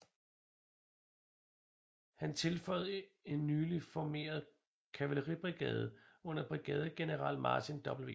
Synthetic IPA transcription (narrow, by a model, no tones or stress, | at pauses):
hænt͡sʰe̝lfɒ̽ɪðˠəe̝nːyːlifɒme̝̰ːɐð̞ˠ | kʰæʋæləʁib̥ʁiɡ̥ɛ̰ːð̞ˠəɔ̽n̰ɐb̥ʁiɡ̥ɛːð̞ˠəɡ̥e̝nəʁɑ̰̈l̰mɑ̈ːt͡sʰind̥ɒ̽b̥l̩ʋḛ